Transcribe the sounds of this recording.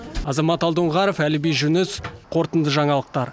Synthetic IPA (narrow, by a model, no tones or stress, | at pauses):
ɑzɑmɑt̪ɑlˠd̪əɴʁɑɾefælɪbejʒʏnɪsqʰo̞ɾt̪ənd̪əʒɑɴɑlˠəq̚t̪ɑɾ